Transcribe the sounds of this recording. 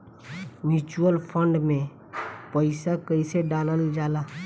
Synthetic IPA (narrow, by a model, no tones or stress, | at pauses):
mjuːt͡ʃuəlpʰə̃ɳɖmẽ | pəɪsakəɪseɖaːnəld͡ʒaːlaː